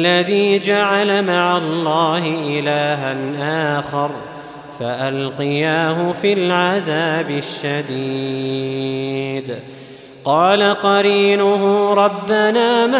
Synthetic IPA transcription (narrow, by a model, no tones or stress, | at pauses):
lːaðiːd͡ʒaʕalamaʕalˤːɑːhɪʔɪlaːɦanʔaːxɑɾˤ | faʔalqɨjaːɦʊfilʕaðaːbɪʃːad̪i | d̪ | qɑːlaqɑɾiːnʊɦʊɾˤɑbːanaːma